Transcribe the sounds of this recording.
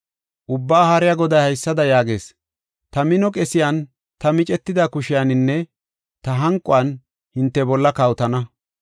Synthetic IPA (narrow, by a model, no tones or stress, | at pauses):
ʔʊbːaːhaɾɪjaɡɔd̪ɐjhɐjsːɐd̪ɐjaːɡe̞ːs | t̪ɐmɪnɔkʼɛsɪjaːn | t̪ɐmɪt͡ʃʼɛt̪ːɪd̪akʊʃɪjanɪnːɛ | t̪ɐɦɐŋkʼːʊɐn | hɪnt̪ːɛbɔlːɐkɐwt̪ɐnɐ